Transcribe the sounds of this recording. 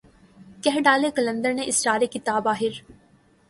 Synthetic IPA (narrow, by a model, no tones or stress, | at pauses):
kɛɦɖaːlekɐlə̃nd̪əɾnẽʔɪst͡ʃaːɾekɪt̪aːbaːɦɪɾ